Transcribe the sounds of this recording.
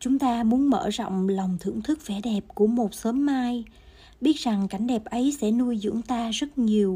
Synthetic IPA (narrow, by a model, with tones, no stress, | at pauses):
t͡ɕʊ˨˦ŋ͡mt̪aː˧mu˨˦ənmə̰ː˧˩zɔ̰˧˨wŋ͡mla˨˩wŋ͡mt̪ʰɨ̰˧˩əŋt̪ʰɨ˦˥k̚fɛ˧˩ɗɛ˨˩p̚ku˧˩əmo˨˩t̚səː˨˦mːaː˧j | ɓi˦˥ət̚za˨˩ŋka˨˦jŋ̟ɗɛ˨˩p̚ʔə˨˦jsɛ̰˧˥nu˧əjzɨ̰˧˥əŋt̪aː˧zə˦˥t̚ɲi˨˩əw